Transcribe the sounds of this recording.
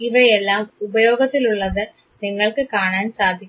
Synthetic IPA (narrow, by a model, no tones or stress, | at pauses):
iʋɐjɛlːaːmʊbɐjoːɡɐt̪ːiluɭːɐðɨ | nɪŋːɐɭkɨkaːɳaːnsaːd̪ʱːikʲː